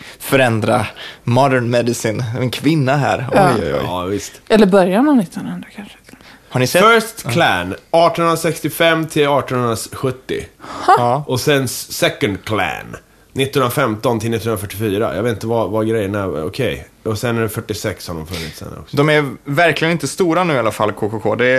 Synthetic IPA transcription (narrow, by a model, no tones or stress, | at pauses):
fœɾɛnd̪ɾamɑd̪əɳmɛd̪ɪsɪnɛnkʰvɪnːaɦæ̰ːɾɔ̰jɔ̰ɑvɪst̪ɛlːəɾbœɾjanɛvnɪt̪ːnand̪akʰanʂə̥haɳɪsɛfœst̪kʰlæ̰nɑːʈɔnɵnɾasɛkst̪ɪfɛmːt̪ʰɪlɑːʈɔnhɵnɾaɧɵt̪ːɪ̰ | ʔɔsɛnssɛkənd̪kʰlæ̰n | nɪt̪ːnhənɾafɛmt̪ɔnt̪ʰɪlɪt̪ːnnɾafœʈːɪfyːɾa̰jʔɡveːt̪n̩t̪əvavaɡɾɛjːəɳæɔ̰kʰɛj | ɔsɛnːɛfœʈːɪsɛkshaɖɔmfɵnːɪ̰t̪sd̪ɛ̰nɔ̰kd̪ɔmæɾvæɾklɪɡənɪnt̪əst̪uːɾanʉ̟ːɪalafalːkʰoːkʰokʰoːd̪ɛ